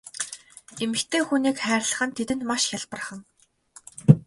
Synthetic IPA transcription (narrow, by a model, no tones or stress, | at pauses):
emɘ̆xt̪ʰeːxuniːkχæːrʲɮə̆χə̆nt̪ʰet̪ɘ̆nt̪maʃxʲaɮpə̆rχə̆ŋ